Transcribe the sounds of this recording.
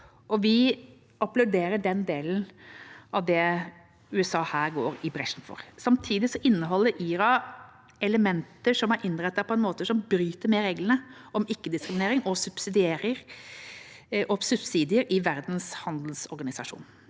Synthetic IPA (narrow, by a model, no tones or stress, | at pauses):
ʔɔʋɪ | ɑplʉɖeːɾəɖɛnd̪eːln̩ʔɑʋd̪ɛ | ʉːɛsɑːhæːɾɡoːɾɪbɾɛʂn̩fɔ̰ɾsɑmt̪ʰiːd̪ɪsɔʔɪnːəɦɔlːəɾʔiːɾɑ | ɛləmɛnt̪əʂɔmæɾʔɪnːɾɛt̪ːəpʰɔɛnmoːt̪əʂɔmbɾyːt̪əɾmɛɾeːɡlənəʔɔmɪkːəd̪ɪskɾɪmɪneːɾɪŋʔɔsʉb̥sɪd̪ɪeːɾəɾ | ʔɔsʉpsiːd̪ɪəɾɪʋæɾd̪n̩shɑnd̪l̩sɔɾɡɑnɪsɑʂṵːn